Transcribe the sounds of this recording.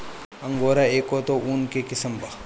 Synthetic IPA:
ɐ̃ŋɡoːɾaeːkot̪oʔunkekɪsəmba

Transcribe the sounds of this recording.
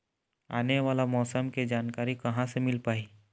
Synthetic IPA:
a̰ːneʋaːlamɔːsəmkid͡ʒaːnkaːɾikɐɦãsemɪlpaːiː

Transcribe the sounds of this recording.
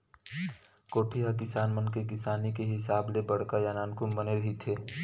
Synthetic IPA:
koːʈʰiɦak̬ɪsaːnmənkek̬ɪsaːnikeɦɪsaːblebəɽ̤kajaːnaːnkumbəneɾəɦit̪ʰeː

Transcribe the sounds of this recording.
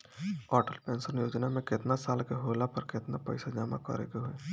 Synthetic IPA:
ɔːʈəlpẽːnsəɾnjoːd͡ʒnamẽkɪt̪nasaːlkeɦoːlapəɾkɪt̪napɛɪsad͡ʒama̰kə̰ɾḛkeɦʊeː

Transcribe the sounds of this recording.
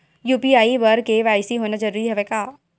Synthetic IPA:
juːpiaːiʋɐɾkeʋaːjsiɦoːnad͡ʒɐɾuːɾiɦɛʋekaː

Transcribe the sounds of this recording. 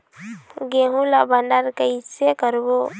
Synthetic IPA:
ɡeɦũlabənəɾkeisekəɾbo

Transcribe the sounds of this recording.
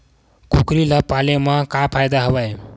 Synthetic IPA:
kukɾilʌpalemakapʰajd̪aɦʌbaj

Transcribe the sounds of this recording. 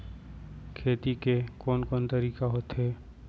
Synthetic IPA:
kʰeːt̪ikekɔːnkɔːnt̪əɾiːkaɦoːt̪ɦɛː

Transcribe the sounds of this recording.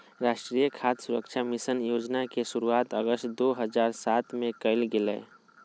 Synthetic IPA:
ɾaːʃʈɾijəkʰaːt̪sʊɾəkʃʰamɪsənjoːd͡ʒnakesʊɾuaːt̪əɡəsʈd̪oːɦəzaːɾsaːt̪mẽkəɪlɡɪlḛː

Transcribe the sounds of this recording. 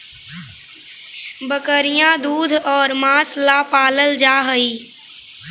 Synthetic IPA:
bəkəɾijãd̪uːd̪ʱɔːɾmãːslapaːləld͡ʒaːɦəiː

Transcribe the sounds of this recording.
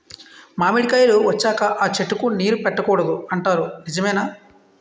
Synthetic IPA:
maːmeɽikaːjluʋɐt͡ʃːaːkɐʔaːt͡ʃeʈːukuniːɾupɛʈːɐkɔːɽɐd̪uɐɳʈaːɾunid͡ʒɐmɛːnaː

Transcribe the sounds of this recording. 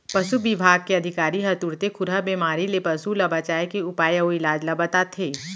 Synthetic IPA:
pɐsubɪbʱaːɡ̚keɐd̪ʱɪkaːɾiɦɐt̪uɾt̪ekʰʊɾɦəbeːmaːɾilepɐsulɐbat͡ʃaːekeʊpaːjəɦoɪlaːd͡ʒlɐbɐt̪at̪ʰeː

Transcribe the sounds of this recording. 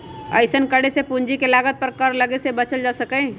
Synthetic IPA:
ə̰ɪsənkəɽesepũɲd͡ʒikelaːɡət̪̚pəɾkəɾlɐɡesebɐt͡ʃəld͡ʒaːsəkẽ

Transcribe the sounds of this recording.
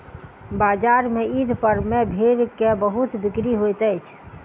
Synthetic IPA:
bad͡ʒaɾmeid̪ʱpəɾmebʱeɾkebəɦut̪bikɾiɦojt̪əjt͡ʃʰ

